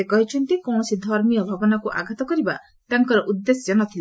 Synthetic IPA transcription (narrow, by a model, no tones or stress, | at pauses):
ekɔɦit͡ʃʰɔnt̪ikɔ̃sid̪ʱɔɾmijɔbʱabɔnakuʔa̰ɡʱat̪ɔkɔɾiba | t̪aŋkɔɾɔʔud̪ːesjɔnɔt̪ʰila